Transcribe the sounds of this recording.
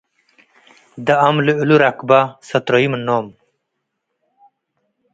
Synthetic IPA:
d̪aɐmleuluɾakbasɐt̪ɾoimnːoːm

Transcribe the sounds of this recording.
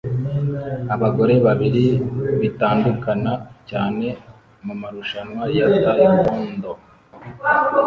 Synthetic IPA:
aβaɡo̞ɾe̞βaβiɾiβitaːndukanacaːne̞ | mumaɾuʃanwaɾijatajikuːndo

